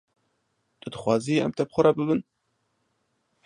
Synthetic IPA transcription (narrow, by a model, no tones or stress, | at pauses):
t̪ɨd̪ɨxʷwɑːziɛ̰mt̪ɛbxʊɾɑbɨbɨn